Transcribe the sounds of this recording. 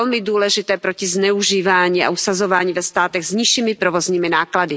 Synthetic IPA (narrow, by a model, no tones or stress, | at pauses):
ɛlmɪduːlɛʒɪt̪ɛːpɾocɪznɛuʒiːvaːɲiːa̰ʔusazo̞vaːɲiːvɛst̪aːt̪ɛɣzɲiʃiːmɪpɾovo̞zɲiːmɪnaːkladɪ